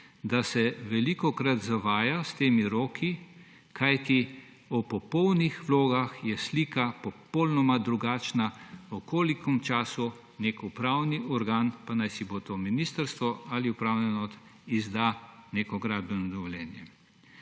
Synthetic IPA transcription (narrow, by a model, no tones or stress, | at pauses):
d̪asɛʋɛlikɔkɾat̪zaʋaːjast̪eːmiɾoːkʰi | kʰajt̪i | ɔpɔpɔwnixʋloːɡaxjɛsliːkapɔpɔlnɔmad̪ɾuɡaːt͡ʃnaɔkʰoːlikɔmt͡ʃaːsu | neːkupɾaːwniʔɔɾɡaːnpanajsibot̪ominiːst̪əɾst̪ʋɔaliupɾawnɛnɔt̪izd̪aneːkɔɡɾaːd̪bɛnɔd̪ɔʋɔljɛːnjɛ